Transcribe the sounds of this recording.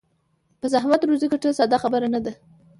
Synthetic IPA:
pəzahmat̪ɾuzikaʈəsad̪ɑxabəɾanad̪a

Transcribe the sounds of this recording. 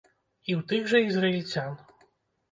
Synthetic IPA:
iwt̪ɨɣʐɐizrɐilʲt͡sʲan

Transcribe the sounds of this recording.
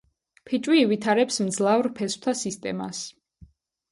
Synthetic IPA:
pʰit͡ʃʼwiːvit̪ʰaɾɛpsmd̪zlˠavɾpʰɛst̪ʰasist̪ʼɛ̰ma̰s

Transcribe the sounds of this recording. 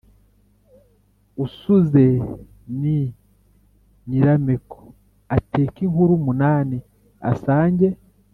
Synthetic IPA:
usuze | ni | ɲiɾameko̥ | ateːkiŋhuɾumunaːni | a̰saːɲɟe

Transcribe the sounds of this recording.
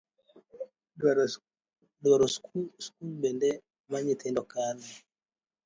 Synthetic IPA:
dwaɾɔsskulbɛndɛ | maɲit̪ɛndɔkana

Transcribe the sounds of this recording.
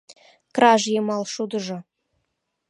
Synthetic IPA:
krɑʒjemɑlˠʃud̪ɤ̆ʒɤ̆

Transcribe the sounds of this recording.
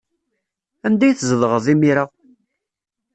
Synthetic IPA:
ænd̪æjθzəðʁəðˤimiɾa

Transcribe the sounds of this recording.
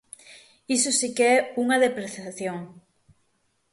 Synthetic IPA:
isʊsikeɛuŋaðepɾeθjaθjoŋ

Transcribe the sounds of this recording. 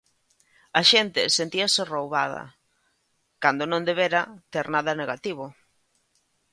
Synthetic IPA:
ɐʃent̪ɪsent̪iaserowβaðɐ̰ | kand̪onõnd̪eβeɾɐt̪eɾnaðɐneɣat̪iβ̞ʊ

